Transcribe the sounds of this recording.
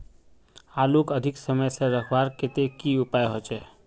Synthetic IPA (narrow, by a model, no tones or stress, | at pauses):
aːlukəd̪ʱɪksəməjseɾəkʰbaːɾkɪt̪ekiʊpaːjɦot͡ʃɛː